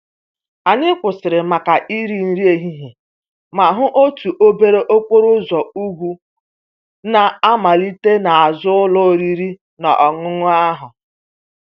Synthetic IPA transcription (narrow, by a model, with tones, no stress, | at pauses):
a˨ɲɪ˦kʷʊ˨sɪ˨ɾɪ˨ma˨ka˨ʔi˦ɾi˨n̩˦ɾi˦e˨ɦi˦ɦe˨ | ma˨ɦʊ˦ʔo˦tu˨ʔo˦be˦ɾe˦ʔo˦kʷo˦ɾʊ˦zɔ˨u˦ɡʷu˦ | na˨a˦ma˨li˦te˦na˨a˨zʊ˦ʊ˦lʊ˦o˦ɾi˦ɾi˦ | na̰˨ʔɔ˨ŋʊ˦ŋʊ˦a˦ɦʊ˨